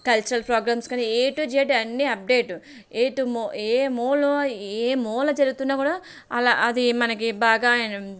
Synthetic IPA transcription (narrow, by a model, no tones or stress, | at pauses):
kɐlt͡ʃɐɾɐlpɾoːɡɾaːmskaːnieːʈud͡ʒeːʈeɐnːiɐp̚ɖe̞ːʈu | eːʈumeːmɔːloeːmɔːlɐd͡ʒɐɾuɡut̪unːaːkuːɽaː | ɐlaʔɐd̪imɐnɐkibaːɡaːnɐ